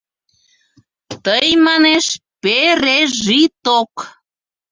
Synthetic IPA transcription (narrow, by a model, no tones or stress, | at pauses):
t̪əjmɑneʃpeɾeʒit̪ok